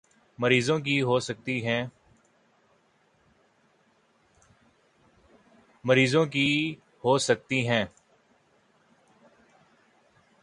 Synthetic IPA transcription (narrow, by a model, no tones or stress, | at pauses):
məɾiːzõːk̬iːɦoːsək̚t̪iɦɛ̃ː | məɾiːzõːk̬i | hoːsək̚t̪iɦɛ̃ː